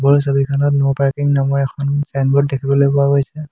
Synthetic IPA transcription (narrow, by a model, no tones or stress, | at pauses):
bɔɹsobikʰanɔtnɔpaɹkiŋnamɔɹɛkʰɔnsanbɔt̚dekʰibɔlojpɔwaɡojsɛ